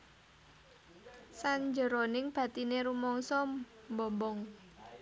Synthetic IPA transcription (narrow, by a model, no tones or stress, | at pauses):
saɲd͡ʒə̤ɾonɪŋb̥ä̤t̪ineɾumɔŋsɔ | mbɔmbɔŋ